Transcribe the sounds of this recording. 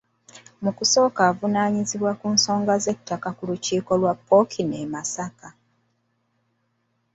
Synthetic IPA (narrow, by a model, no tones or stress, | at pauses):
mukuso̞ːkaːvunaːɲiziβwakuːnso̞ːŋɡaze̞tʰːakakuluciːko̞lwapːo̞kʰine̞masaka